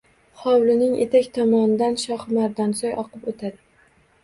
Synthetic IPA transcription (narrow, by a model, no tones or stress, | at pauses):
χɒwlɪnɪŋʔe̞̰t̪ʰakʲt̪ʰɒmɒnɪd̪anʃɒhmaɾd̪ɒnsɒjʔɒqʰɨpot̪ʰad̪ɪ